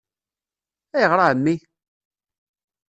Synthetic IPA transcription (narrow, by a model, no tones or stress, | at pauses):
æjəʁɾˤaʕəmːi